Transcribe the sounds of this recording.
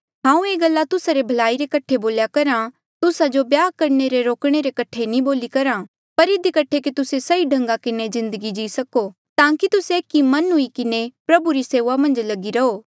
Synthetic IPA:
ɦãːũeːɡɐlːat̪ʊsaɾebʱɐlaːiɾekɐʈʰeboːljakɐɾã | t̪ʊsad͡ʒobjaːkɐɾneɾeɾoːkɽ̃eɾekɐʈʰːenĩboːlikɐɾa | pɐɾɪd̪ikɐʈʰekit̪ʊsesɐiɖʱɐ̃ŋɡakɪnezɪ̃nd̪əɡid͡ʒiːsɐko | t̪ãːkit̪ʊseeːkːimɐnɦʊikɪnepɾɐbuɾiseːʋamɐ̃nd͡ʒlɐɡiɾɐɦoː

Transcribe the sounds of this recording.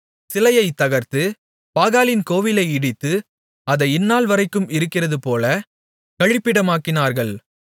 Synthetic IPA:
sɪlɐjɐɪt̪ːɐɣɐɾt̪ɯ | paːɣaːlɪnkoːʋɪlɐɪɪɽɪt̪ːɯ | ɐðɐɪɪnːaːlʋɐɾɐɪkːɯmɪɾɯkːɪrɐðɯpoːlɐ | kɐɻɪpːɪɽɐmaːkːɪnaːɾɣɐɭ

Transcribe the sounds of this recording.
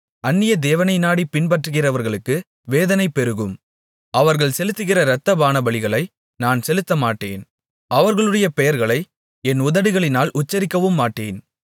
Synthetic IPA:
ɐnːɪjɐd̪eːʋɐnɐɪnaːɽipɪnbɐʈrɯɣɪrɐʋɐɾɣɐɭɯkːɯ | ʋeːðɐnɐɪpːɛɾɯɣɯm | ɐʋɐɾɣɐɭsɛlɯt̪ːɯɣɪrɐɾɐt̪ːɐbaːnɐbɐɭɪɣɐɭɐɪ | naːnsɛlɯt̪ːɐmaːʈːḛːn | ʔɐʋɐɾɣɐɭɯɽɐjɐpɛjɐɾɣɐɭɐɪ | ɛnʊðɐɽɯɣɐɭɪnaːlʔʊt͡ʃːɐɾɪkːɐʋɯmːaːʈːeːn

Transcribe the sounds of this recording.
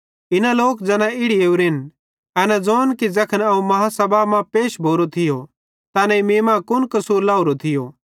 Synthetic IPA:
ɪnãloːkd͡zɐnãɪɽieːuɾɪn | ɐnɛd͡zoːnkid͡zɐkʰənɐũmɐɦãsɐbamãpeːʃbʱoːɾot̪ʰɪjo | t̪aːnɛ̃imeːmãkʊnkɐsuːɾlaːuɾot̪ʰɪjo

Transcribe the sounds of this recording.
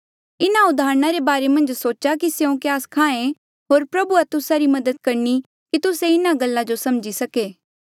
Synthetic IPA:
ɪnaʊd̪ʱaːɾñaɾebaːɾemɐ̃nd͡ʒsoːt͡ʃakisjeõkjaːskʰãːẽ | ɦoːɾpɾɐbuat̪ʊsaɾimɐd̪əd̪̚kɐɾni | kit̪ʊseɪnaɡɐlːad͡ʒosɐmd͡ʒisɐkeː

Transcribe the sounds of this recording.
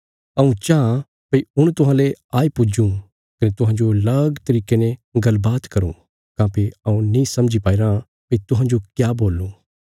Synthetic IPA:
ɐũt͡ʃãː | pɐiʊɽ̃t̪ʊɦãːleaːipʊd͡ʒũ | kɐnet̪ʊ̃ɦãːɲd͡ʒolɐɡt̪ɐɾiːkenẽɡɐlbaːt̪kɐɾṵ̃ː | kãːpʰeɐũnĩsɐ̃md͡ʒipaːiɾã | pɐit̪ʊɦãːɲd͡ʒokjaːboːlːũː

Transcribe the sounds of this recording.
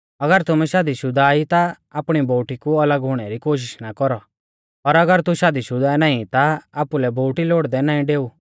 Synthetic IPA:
ɐɡəɾt̪ʊmɛʃaːd̪iʃʊd̪aːit̪aː | pɽ̃iboːʈikuɐləɡɦʊɽ̃ɛɾikoːʃ̬ɪʃnakɔɾɔ | ɔɾɐɡəɾt̪uʃaːd̪iʃʊd̪aːɛnaːĩt̪aaːpulɛbʱoːʈiloːɽd̪ɛnãːĩɖeːu

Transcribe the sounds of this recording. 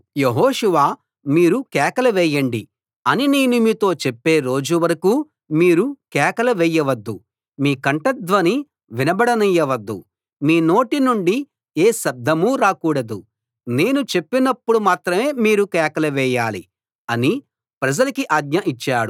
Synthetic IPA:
jeɦɔːʂuʋaː | miːɾukɛːkɐlɐʋɛːjɐɳɖḭ | ɐnineːnumit̪o̞ːt͡ʃepːe̞ːɾo̞ːd͡ʒuʋɐɾɐkuː | miːɾukɛːkɐlɐʋɛːjɐʋɐd̪ːṵ | miːkɐɳʈɐd̪ʋɐni | ʋinɐbɐɽɐnɐjːɐʋɐd̪ːṵ | miːno̞ːʈinuɳɖi | eːʃɐb̚d̪ʱɐmuɾaːkuːɽɐd̪u | ne̞ːnut͡ʃe̞pːinɐpːuɽumaːt̪ɾɐme̞ːmiːɾukɛːkɐlɐʋɛːjaːli | ɐni | pɾɐd͡ʒɐlɐkiʔɐɡɲɐʔit͡ʃːaːɽu

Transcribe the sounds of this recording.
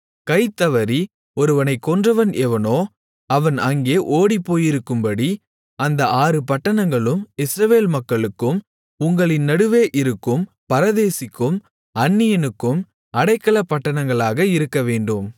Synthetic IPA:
kɐɪt̪ːɐʋɐɾi | ɔɾɯʋɐnɐɪkːɔndrɐʋɐnʔɛʋɐnoː | ɐʋɐnɐŋɡeːʔoːɽipːoːjɪɾɯkːɯmbɐɽi | ɐnd̪ɐʔaːɾɯpɐʈːɐɳɐŋɡɐɭɯmɪsɾɐʋeːlmɐkːɐɭɯkːɯm | ʊŋɡɐɭɪnnːɐɽɯʋeːʔɪɾɯkːɯm | pɐɾɐðeːsɪkːɯm | ɐnːɪjɐnɯkːɯm | ɐɽɐɪkːɐɭɐpːɐʈːɐɳɐŋɡɐɭaːɣɐɪɾɯkːɐʋeːɳɖɯm

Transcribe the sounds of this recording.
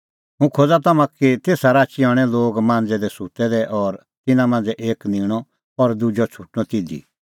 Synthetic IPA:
ɦũkʰod͡zat̪ɐmãkit̪eːsaɾaːt͡ʃiɔːɽ̃ɛloːɡmãːnd͡zɛd̪ɛsut̪ɛd̪ɛʔɔɾ | t̪ɪnãmãːn̆d͡zɛʔeːknɪːɽ̃ɔ | ɔɾd̪ʊd͡ʒɔt͡ʃʰʊʈnɔ̃t̪ɪd̪ḭ

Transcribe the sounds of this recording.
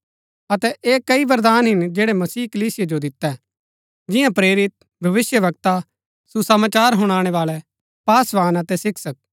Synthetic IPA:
ɐt̪ɛʔeːkɐiʋɐɾd̪aːnɦɪnd͡ʒeːɽɛmɐsiːkɐliːsɪjed͡ʒod̪ɪt̪ːɛ | d͡ʒɪjãpɾeːɾɪt̪̚ | bʱɐʋɪsjəʋɐk̚t̪a | susɐmaːt͡ʃaːɾɦʊɽ̃aːɽ̃ɛʋaːlɛ | paːsʋaːnɐt̪ɛsɪkʰsɐk̚

